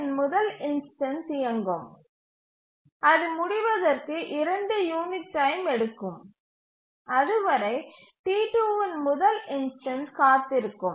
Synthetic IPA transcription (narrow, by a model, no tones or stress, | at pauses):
nmʊðɐlɪnsʈɐnsɪjɐŋɡɯm | ʔɐðɯmʊɽɪʋɐðɐrkɯʔɪɾɐɳɖɯjuːnɪʈːɐɪmɛɽɯkːɯm | ɐðɯʋɐɾɐɪ | ʈiːʈuːʋɐnmʊðɐlɪnsʈɐnskaːt̪ːɪɾɯkːɯm